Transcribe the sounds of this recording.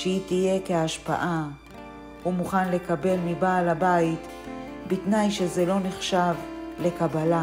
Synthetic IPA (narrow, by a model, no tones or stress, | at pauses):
ʃeitije̞keaʃpa̰ʔa | humuχanle̞kabe̞lmibaːlabait | bitnajʃezelo̞neχʃavle̞kabala